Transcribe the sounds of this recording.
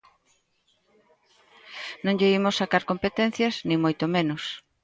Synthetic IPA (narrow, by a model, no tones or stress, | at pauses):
nõŋʎeimʊsːakaɾkompet̪ɛn̟θjɐznĩŋmojt̪omẽnʊs